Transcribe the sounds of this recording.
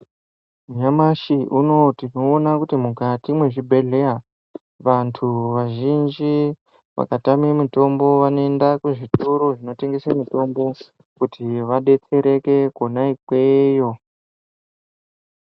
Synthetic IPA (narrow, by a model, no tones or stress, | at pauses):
muɲamaʃiʔuno̞tino̞ːnakutimukatimwe̞ʐibʱe̞ɮe̞a | ʋantʰuʋaʒind͡ʒi | ʋa̰katamemuto̞mbo̞ʋanoendakuʐitʰuɾoʐino̞te̞ŋɡe̞semuto̞mbo̞ | kutʰiʋaɗe̞t͡se̞ɾe̞ke̞konaikweːjo̞